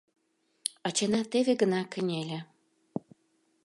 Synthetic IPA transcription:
ɑt͡ɕenɑt̪eβʲĕɡə̆nɑkə̆nʲelʲĕ

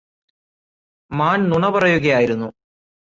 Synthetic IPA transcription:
maːnnuɳɐpɐrɐjuɣɐjaːjiɾunːu

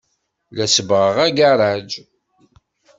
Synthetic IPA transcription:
læsəbʁəʁæɡaɾˤad͡ʒ

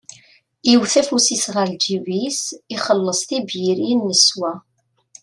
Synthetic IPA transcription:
jiwθæfusisʁəld͡ʒiwisiχəlːəsˤt̪ibjiɾinːəswæ

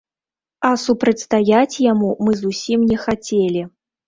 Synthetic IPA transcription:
ɐsupɾɐt͡sʲst̪ajat͡sʲjamumɨzusʲimnʲɛxat͡sʲelʲi

